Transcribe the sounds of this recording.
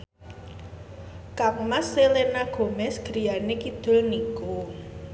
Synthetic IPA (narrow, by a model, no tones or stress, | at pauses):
kak̚masːelenaɡ̥o̤mɛsɡ̥ɾi̤janekid̪̥ʊ̤lniku